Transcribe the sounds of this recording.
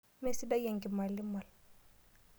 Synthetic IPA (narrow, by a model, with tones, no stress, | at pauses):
me˦si˦da˦je˨ŋɡi˨ma˨lːi˦ma˨l